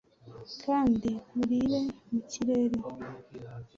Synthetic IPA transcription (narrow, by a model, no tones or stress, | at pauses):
kʰaːndimuɾiɾemuciɾeɾe